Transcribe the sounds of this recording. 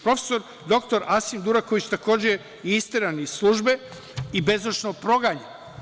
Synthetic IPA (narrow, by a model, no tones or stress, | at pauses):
pɾo̞fe̥so̞ɾ | d̪o̞kt̪o̞ɾasimd̪uɾako̞ʋit͡ɕt̪ako̞ːd͡ʑe | iist̪eɾanizslˠuːʒbe̞ | ibe̞zot͡ʃnopɾo̞ɡaɲe